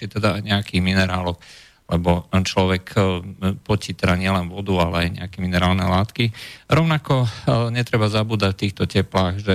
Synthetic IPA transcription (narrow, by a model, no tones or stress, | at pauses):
ɛt̪ɛd̪aɲɛakiːɣminɛɾaːlɔk | lɛbɔnt͡ʃlɔʋɛk | pɔcit̪ɛd̪aɲɪɛlɛnʋɔd̪ualɛajɲɛ̰akɛminɛɾaːlnɛ̰laːt̪kiɾɔʊnakɔɲɛt̪ɾɛbazabuːd̪acft̪iːxt̪ɔcɛplaːɣʒɛ